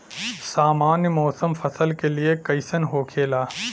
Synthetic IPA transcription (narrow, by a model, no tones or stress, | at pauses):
saːmaːnjmɔːsəmfʰɐsəlkeliekɐɪsənɦoːkʰeːlaː